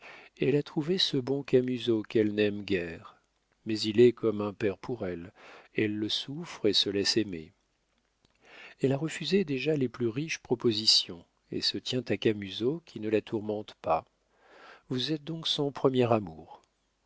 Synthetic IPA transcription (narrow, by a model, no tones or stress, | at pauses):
ɛlat̪χuvesəbɔ̃kamyzokɛlnɛmɡʲɛʁ | mɛzilɛkɔmɛ̃pɛʁpʰuʁɛlɛlːəsufχesəlɛsemḛ | ɛlaʁəfyzed̪eʒaleplyʁiʃpχɔpozisjɔ̃ | ḛsət̪jɛ̃t̪akamyzokʲʰinəlat̪ʰuʁmɑ̃t̪pa | vuzɛt̪̚d̪ɔ̃ksɔ̃pχəmjɛʁamuʁ